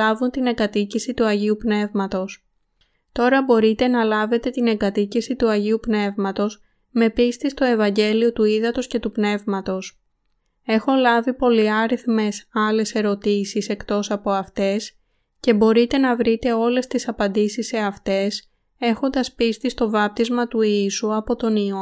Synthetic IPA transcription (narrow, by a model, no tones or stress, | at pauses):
ɐvunt̪ine̞ŋɡɐt̪icisit̪uɐʝiupne̞vmɐt̪o̞s | t̪o̞ɾɐbo̞ɾit̪e̞nɐlɐve̞t̪e̞t̪ine̞ɡɐt̪icisit̪uɐʝiupne̞vmɐt̪o̞s | me̞pist̪ist̪o̞e̞vɐɲɟe̞lio̞t̪uiðɐt̪o̞sce̞t̪upne̞vmɐt̪o̞s | e̞xo̞lɐvipo̞liɐɾiθme̞sɐle̞se̞ɾo̞t̪isise̞kt̪o̞sɐpo̞ɐft̪e̞s | ce̞bo̞ɾit̪e̞nɐvɾit̪e̞o̞le̞st̪isɐpɐnd̪isisːe̞ɐft̪e̞s | e̞xo̞nd̪ɐspist̪ist̪o̞vɐp̚t̪izmɐt̪uisuɐpo̞t̪o̞nio